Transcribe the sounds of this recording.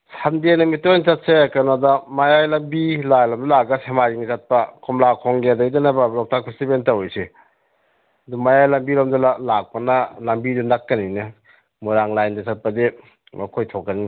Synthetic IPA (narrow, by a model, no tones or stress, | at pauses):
sandenɐmitojnsat̚sekanadamajajlambilajlamdulaɡasemad͡ʒiŋisat̚pakʰɔmlakʰɔŋɡedajdanabalɔk̚tʰakʰusibentawɔjse | ɐdumajajlambilamdulalak̚pɐnalambidunakːɐninɯ | muɾaŋlajndasat̚pɐdi | makʰojtʰokːɐni